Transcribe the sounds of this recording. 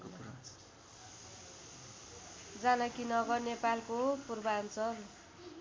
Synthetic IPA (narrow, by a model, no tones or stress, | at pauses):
d͡zanʌkinʌɡʌrnepalkopurbʌant͡sʌr